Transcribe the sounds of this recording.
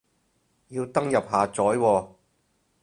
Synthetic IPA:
jiː˧wt̪ɐ˥ŋjɐ˨p̚ɦaː˨t͡sɔː˨˥jwɔː˧

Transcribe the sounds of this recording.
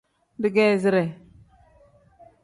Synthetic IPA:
di˦˨ɡe˦˨zi˦ɾe˨

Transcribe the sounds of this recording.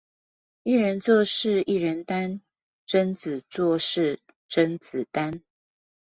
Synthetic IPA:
i˥˩ɻə˧˦nt͡swɔ˥˧ʂɻ̩˥˧i˥˩ɻə˧˦nt̪a˥˦n | ʈ͡ʂə˦nt͡s̩˨˩t͡swɔ˥˨ʂɻ̩˥˨ | ʈ͡ʂə˦˥nt͡sɹ̩˨˩t̪a˦n

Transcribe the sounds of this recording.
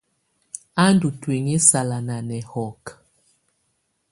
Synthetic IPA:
a˦ndu˨twe˨ŋe˦sa˨la˨na˨nɛ˨hɔ˨k

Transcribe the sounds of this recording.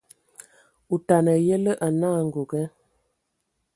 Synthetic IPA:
u˨ta˨nə˨jə˦lə˦ʔa˨naː˦˨ŋ̩˨ɡo˨ɡɛ˦

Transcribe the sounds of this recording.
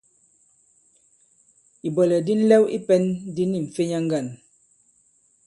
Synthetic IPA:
i˨bɔ˨lɛ˨di˦n̩˦lɛ˦wḭ˦pɛ˦ndi˦ni˦˨ɱ̩˨fe˦ɲa˦ŋ̩˦ɡa˦˨n

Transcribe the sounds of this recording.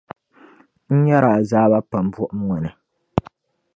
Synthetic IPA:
n̩˦ɲa˦ɾa˨zaː˦ba˦pa˨m˦bʊ˦ʔʊ˦m˦ŋɔ˨nɨ˨

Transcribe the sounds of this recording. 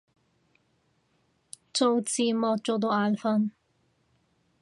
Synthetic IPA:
t͡so˨˧wt͡siː˨˧mɔ˧t͡ʃo˨˧d̪o˧aː˧lfɐ˧˥n

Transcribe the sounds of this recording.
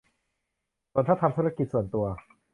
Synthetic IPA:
su˧˩ət̪ʰa˥˩t̪ʰa˧mt̪ʰuː˦˥a˥ki˨˩t̪̚su˨˩ənt̪u˧ɐ

